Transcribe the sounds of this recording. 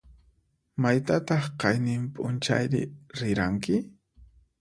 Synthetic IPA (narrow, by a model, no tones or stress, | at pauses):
majt̪at̪ɑχqɑjnɪmpʼʊnt͡ʃa̰jɾɪ̰ɾɪɾaŋkɪ